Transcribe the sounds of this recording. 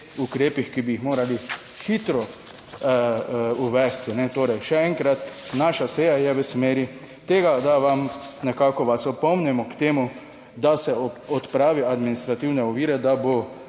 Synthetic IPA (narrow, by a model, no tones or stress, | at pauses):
ukɾeːpixkibiːxmoːɾali | xit̪ɾɔ | uʋɛst̪inɛt̪oːɾɛjʃɛɛŋkɾat̪naːʃaseːjajɛʋəsmeːɾi | t̪eːɡad̪aʋamnɛkaːkɔʋasɔpɔmnɛmɔkt̪eːmu | d̪asɛɔt̪pɾaːʋiad̪minist̪ɾat̪iwnɛɔʋiːɾɛd̪abo